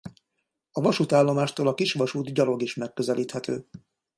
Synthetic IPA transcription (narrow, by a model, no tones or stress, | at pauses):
ɒvɒʃut̪aːlːo̞maːʃt̪oːlɒkiʃʋɒʃuːd̪ɟɒɾo̞ɡiʃmɛkːøzɛliːt̪hɛt̪øː